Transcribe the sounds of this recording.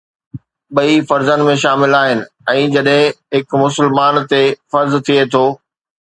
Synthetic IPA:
ɓɐifɐɾzənɪ̆mẽʃaːmɪlaːɦɪnɪ̆ | ɛ̃ːd͡ʑɐɗɦɪ̃ɦɪkmʊsɪlmaːnt̪efɐɾzt̪ʰiet̪ʰoː

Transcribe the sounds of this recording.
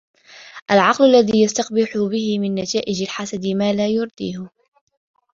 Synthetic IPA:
ʔalʕɑqlalːaðiːjast̪ɑqbɪħʊbɪhɪmɪnːat̪aːʔɪd͡ʒalħasad̪ɪmaːlaːjʊɾˤd̪̥ḭːhʊ

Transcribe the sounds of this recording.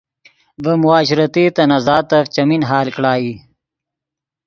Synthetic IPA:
bəmʊaːɕɾɐt̪it̪ɐnɐzaːt̪ɐft͡ɕɐminɦaːlkɽaːi

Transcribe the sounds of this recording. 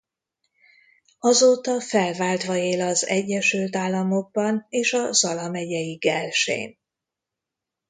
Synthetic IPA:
ɒzoːt̪ɒfɛlvaːlt̪ʋɒeːlɒzɛɟːɛʃylt̪aːlːɒmo̞ɡ̚bɒneːʃɒzɒlɒmɛɟɛjiɡɛlʃḛːn

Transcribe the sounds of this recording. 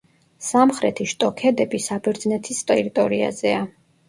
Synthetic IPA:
samχɾɛ̰t̪ʰiʃt̪ʼɔkʰɛd̪ɛbisabɛɾd̪znɛt̪ʰist̪ʼɛɾit̪ʼɔɾia̰zɛa

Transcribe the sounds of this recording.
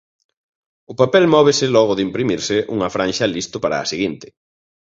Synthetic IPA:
ʊpapɛlmɔβɪsɪlɔɣ̞ʊðɪimpɾimiɾsɪʔuŋɐfɾãnʃɐlist̪ʊpaɾa̰ːsiɣint̪ɪ̥

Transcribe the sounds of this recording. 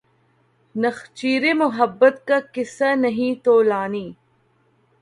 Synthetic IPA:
nɐxt͡ʃiːɾemʊɦɐbːət̪kakɪsanɐɦĩt̪oːlaːniː

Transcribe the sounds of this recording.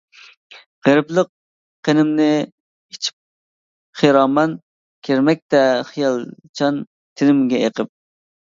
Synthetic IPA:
ʁəɾɨplˠəq̚ | qʰːenɪmnɪ | it͡ʃʰi̥p̚ | χiɾɑːmɑn | kʲʰeɾmɛk̚ʲt̪ɛχijɑlˠt͡ʃʰɑn | t̪ʰɪnɪmɡʲɛeqəp̚

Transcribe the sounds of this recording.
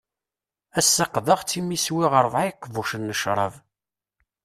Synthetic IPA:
æsːɑqðəʁt͡sːimːiswiʁəɾˤvʕakːvuʃənːəʃɾˤɑ̰v

